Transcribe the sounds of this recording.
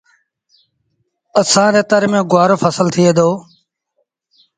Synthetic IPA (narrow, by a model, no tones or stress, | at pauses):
əsãːɾeːt̪əɾmẽːɡʊaːɾoːfʰəsəlt̪ʰɪeːd̪oː